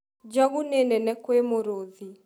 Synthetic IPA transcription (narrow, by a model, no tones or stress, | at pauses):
d͡ʒɔɣunɛnɛnɛkwemoɾoði